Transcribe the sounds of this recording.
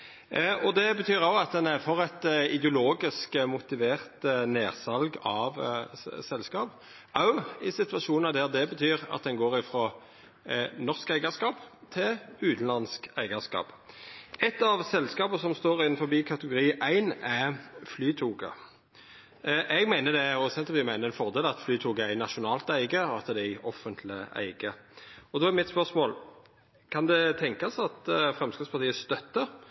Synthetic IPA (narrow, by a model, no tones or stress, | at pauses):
ɔd̪ɛbət̪ʰyːʁɑʊɑt̪̚d̪ɛnæɾfɔʁɛt̪ɪd̪ɛʊloːɡɪskmʊt̪ɪʋeːʁt̪neːʁsɑlɡɑʋsɛlskɑːp | ɑʊɪsɪt̪ʋɑʃuːnəd̪æʁd̪ɛbət̪ʰyːʁɑ̰t̪̚d̪ɛnɡoːɾɪfɾɔ | nɔʁskæɪɡəskɑːpt̪ʰɪlʉːt̪n̩lɑnskæɪɡəskɑ̰ːp | ɛt̪ːɑʋsɛlskɑːpəsɔmst̪oːʁɪnfɔbiːkʰɑt̪əɡʊɾiːʔæɪnæflyːt̪ʰuːɡə̰ | ʔɛɡmæɪnəd̪ɛɔsɛnt̪əpiːmæɪnəʁɛnfɔʁd̪eːlɑt̪flyːt̪ʰuːɡəæɪnɑʃʊnɑːlt̪æɪɡəɔɑt̪d̪ɛæɔfːənt̪ʰlɪæ̰ɪɡəɔd̪oːæɾmɪt̪spœsmoːl | kʰɑnd̪ɛt̪ʰɛŋkɑsɑt̪fʁɛmskɪspʰɑʁt̪iːəst̪œt̪ːə